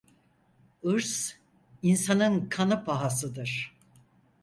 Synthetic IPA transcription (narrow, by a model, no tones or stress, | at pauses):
ɯɾs | insanɯnkʰanɯpʰaɦas̬ɯd̪ɯɾ̥